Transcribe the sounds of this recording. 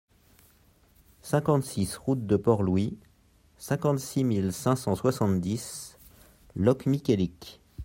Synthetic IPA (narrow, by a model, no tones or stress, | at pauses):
sɛ̃kɑ̃t̪sisʁut̪̚d̪əpɔʁlwi | sɛ̃kɑ̃t̪similsɛ̃sɑ̃swasɑ̃t̪d̪is | lɔkmikʲelik